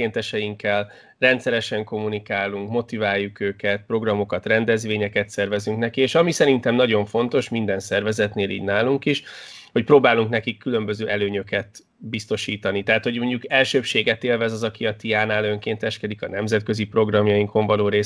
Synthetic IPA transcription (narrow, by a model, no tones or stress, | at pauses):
eːnt̪ɛʃɛjiŋkːɛl | rɛnt̪sɛɾɛʃɛŋko̞mːunikaːlːuŋkmo̞t̪ivaːjːukøːkɛt̪̚pro̞ɡrɒmo̞kɒt̪rɛnd̪ɛzʋeːɲɛkɛt̪sɛrvɛzyŋknɛkieːʃɒmisɛɾint̪ɛmnɒɟo̞ɱfo̞nt̪o̞ʃmind̪ɛnsɛrvɛzɛt̪neːlḭːɟnaːluŋkiʃho̞cpɾoːbaːluŋknɛkikːylø̞mbø̞zøːʔɛløːɲøkɛt̪ | bist̪o̞ʃiːt̪ɒnit̪ɛɦat̪ho̞ɟmo̞ɲɟukɛlʃøːʃeːɡɛt̪eːlvɛzɒzɒkiɒt̪ijaːnaːlø̞ŋkeːnt̪ɛʃkɛd̪ikɒnɛmzɛt̪̚kø̞zipro̞ɡrɒmjɒjiŋko̞ɱvɒloːɾeː